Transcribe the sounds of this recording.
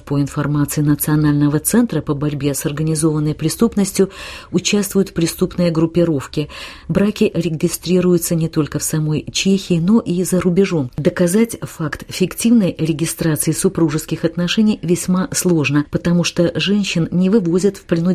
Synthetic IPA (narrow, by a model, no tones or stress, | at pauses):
poɪnfɐrmat̪sɨɪnət̪sɨɐnalʲnəvət̪sɛnt̪ɾəpəbɐɾʲbʲe̞sɐrɡənʲɪzo̞vənːəjpɾʲɪst̪upnəsʲtʲjʊʊt͡ɕast̪vʊjʊt̪fpɾʲɪst̪upnɨjəɡɾʊpʲːɪɾo̞fkʲɪbɾakʲɪɾʲɪɡʲɪst̪ɾʲiɾʊjʊt̪sənʲɪt̪o̞lʲkəfsɐmo̞jt͡ɕexʲɪːno̞ʔizəɾʊbʲɪʐo̞md̪əkɐzatʲfakt̪fʲɪktʲivnəjɾʲɪɡʲɪst̪ɾat̪sɨɪsʊpɾuʐɨskʲɪxɐt̪nɐʂɛnʲɪjvʲɪsʲmaslˠo̞ʐnəpət̪ɐmuʂt̪oʐɛnʲɕːɪnnʲɪvɨvo̞zʲɪt̪fpɾʲɪnʊ